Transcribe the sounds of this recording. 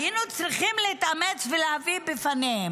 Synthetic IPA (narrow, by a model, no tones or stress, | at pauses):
jinut͡sɾiχimleit̪ʔamet͡sveleavibefanehem